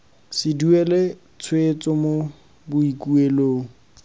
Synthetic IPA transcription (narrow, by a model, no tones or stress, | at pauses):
sɪduɛle | t͡sʰwet͡sɔmo | bʊikueloːŋ̩